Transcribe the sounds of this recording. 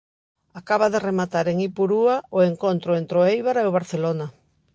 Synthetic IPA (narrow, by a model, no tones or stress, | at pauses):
akaβaðɪremat̪aɾeŋipuɾuaʊeŋkont̪ɾʊent̪ɾʊejβaɾeoβ̞aɾθelona